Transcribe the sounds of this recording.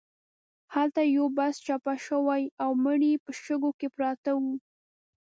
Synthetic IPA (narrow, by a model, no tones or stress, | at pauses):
halt̪ajobast͡ʃɑpaʃəwajawməɳipəʃəɡokepɾɑt̪awu